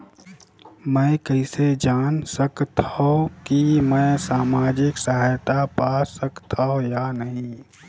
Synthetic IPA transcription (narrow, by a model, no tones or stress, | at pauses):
mɛ̃ːkəɪsed͡ʒaːnsəkt̪ʰaaõkimɛ̃ːsaːmaːd͡ʒɪksaɦaːjt̪apaːsəkt̪ʰaːɦõjanəɦĩ